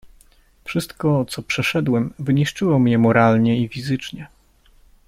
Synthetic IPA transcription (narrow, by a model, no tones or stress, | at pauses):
fʂɘst̪kɔt̪sɔpʂɛʂɛd̪wɛmvɘɲiʂt͡ʂɘwɔmɲɛmɔɾalɲɛifʲizɘt͡ʂɲɛ